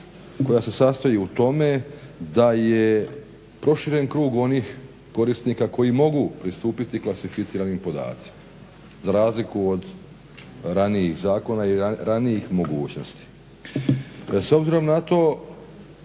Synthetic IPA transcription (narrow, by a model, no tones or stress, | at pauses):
ko̞jase̞sast̪ajiut̪o̞me̞d̪aje̞ | pɾo̞ʃiɾe̞nkɾuːɡo̞nix | ko̞ɾist̪nikako̞jimo̞ɡupɾist̪uːpit̪iklasifit̪iːɾanimpo̞d̪a̰ːt̪si̥ma | zaɾaːzlikuod̪ | ɾaniixzaːko̞naiɾanijixmo̞ɡuːt͡ɕno̞st̪i̥ | so̞bziɾo̞mnat̪o̞ː